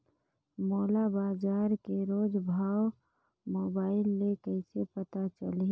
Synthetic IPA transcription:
moːlabaːzaːɾkeɾoːd͡ʒbʱaːw | moːbaːɪlːekɛɪsepɐt̪at͡ʃəle

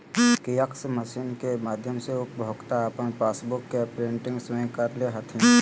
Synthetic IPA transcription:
kijəksməsinkemaːd̪ʱjəmseʊpbʱoːɡt̪aəpənpaːsbʊkːepɾeɳʈɪ̃ŋɡswə̃j̃kəɾleɦɐt̪ʰĩ

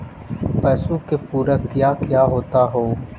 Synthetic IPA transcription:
pɛːsuːkepuːɾəkjaːkɪjaːɦoːt̪aɦoː

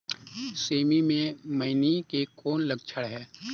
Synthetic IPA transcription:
seːmimẽməɪnikekoːnləɡ̚t͡ʃʰəɽɦɛː

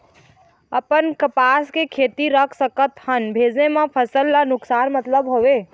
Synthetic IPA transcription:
əpənkəpaskekʰet̪iɾəkʰsəkət̪hənbʱed͡ʒnemepʰəsəlːanʊksanmət̪ləbɦobe

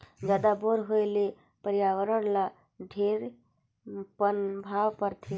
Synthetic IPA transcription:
d͡ʒaːd̪aboɾɦojle | pəɾjaːʋəɾəɽla | ɖʱeɾ | pənbʱaːʋpəɾt̪ʰi

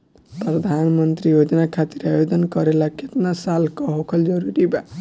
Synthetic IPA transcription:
pɾɔd̪ʱanmɔnt̪ɾijod͡ʒɔnakʰat̪iɾeajod̪ɔnkɔɾelakʰet̪nasalkɔɦokʰɔld͡ʒɔɾuɾiba

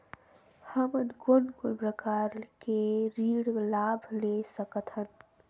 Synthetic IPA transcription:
həmənkonkonpɾəkaɾkeɾiɽlabʱlesəkət̪ɦən

